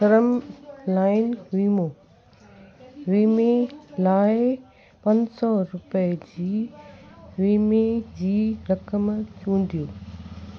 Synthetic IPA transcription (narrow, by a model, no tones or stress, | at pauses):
sɐɾəmlaːɪnʋiːmoː | ʋiːmelaːɪ | pɐ̃ɲd͡ʑsɔɾʊpəd͡ʑiː | ʋiːmed͡ʑiːɾɐkəmt͡ɕũːn̆d̪ijoː